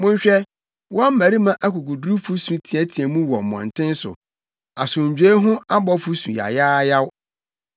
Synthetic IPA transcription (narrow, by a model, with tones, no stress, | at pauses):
mʊ̃˦ɲ̩˦ɕᶣɛ˦ | wɔ̃˦a˦m̩˦mæ̃˨ɾi˦mã˦ʔa˦kʰu˨ku˨dɾu˦fu˦sũ˨tʰĩ˨ɛ˦tʰĩ˨ɛ˨mũ˦wɔ˨m̩˨mɔ̰̃˨n̩˨tʰɪ̃˦n˦sʊ̰˨ | a˨sʊ̃˨ɲ̩˨d͡ʑᶣe˦ɦʊ̃˦a˦bɔ˦fu˦sũ˨ja̰˨jaː˦ja˦w